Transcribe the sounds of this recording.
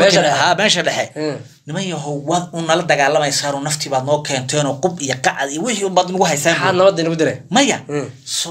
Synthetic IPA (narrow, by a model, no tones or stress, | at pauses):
ɛɦaːmɛːʃɐɖɛħɛ | nɪmɐjɐɦɔwɐðʊnːɐlɐd̪ɐɣaːlɐmɛjsaːnɔːnɐft̪ʰɪβaːd̪nɔːkʰɛːnt̪ʰɛːnɔːqʊbijɐqɑʕd̪ijɔwɪħiʊmbaːd̪ɪnʊɣʊɦɛjsaːnaːd̪nɐβɐd̪ɐnʊɣʊd̪ɪɾɛmɐjɐsɔ